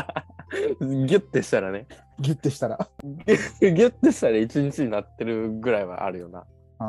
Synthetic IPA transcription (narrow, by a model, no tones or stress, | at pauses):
ɡʲɨt̪ːeɕi̥t̪aɾane̞ | ɡʲɨt̪ːeɕi̥t̪aɾa | ɡʲɨt̪ːeɕi̥t̪aɾait͡ɕiɲ̟it͡ɕiɲinat̪ːe̞ɾɯ̟ɡɯ̟ɾaiβa̰ʔa̰ɾɯ̟jo̞na̰